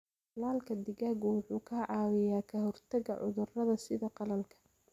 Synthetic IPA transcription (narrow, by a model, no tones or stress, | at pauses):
ɐlaːlkʰɐd̪ɪɣaːɣʊwʊħuːkʰɐʕɑːwɛjaːkʰɐɦɔrt̪ʰɐɣɐ̰ʕʊ̰ðʊrɐðɐsɪðɐqɑlɐlkʰɐ̥